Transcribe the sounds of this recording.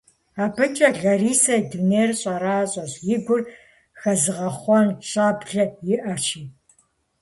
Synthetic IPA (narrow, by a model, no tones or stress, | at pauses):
aːbɨt͡ʃʼɐɮɐriːsɐduneːrɕʼɐɾaːɕʼɐɕjɪɡʷʊr | xɐzɨʁɐχʷɔnɕʼaːbɮɐjɪʔɐʃiː